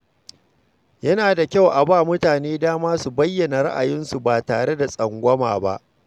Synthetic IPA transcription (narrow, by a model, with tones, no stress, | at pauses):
jɐ˦naː˨da˨kʲa˦˨wʔa˨baː˦˨mʊ˦taː˨neː˦daː˦maː˦su˨bɐ˦jːɐ˨na˨ɽa̰˦ʔa˨jɪ˦nsu˨baː˨taː˨ɽe˦da˨sʼɐ˨ŋɡʷɐ˦ma̰ː˨ba̰˦ʔ